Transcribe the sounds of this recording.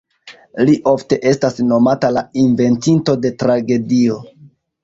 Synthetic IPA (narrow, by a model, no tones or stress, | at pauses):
liʔo̞fte̞ʔe̞stasno̞matalainve̞ntinto̞de̞tɾaɡe̞dio̞